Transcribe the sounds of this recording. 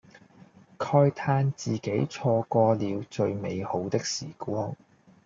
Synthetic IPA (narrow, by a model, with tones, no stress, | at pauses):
kʰɔː˧jt̪ʰaː˧nt͡siː˨˩ke˨˥jt͡sʰɔː˧kɔː˧liː˨˧wt͡ʃɵ˧ɥme˨˧jho˨˥wt̪ɪ˥k̚sḭː˨˩kɔː˥ŋ